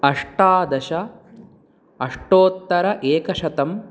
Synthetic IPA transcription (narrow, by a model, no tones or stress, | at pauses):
ɐʂʈaːd̪ɐʃɐ | ɐʂʈoːt̪ːɐɾɐʔeːkɐʃɐt̪ɐm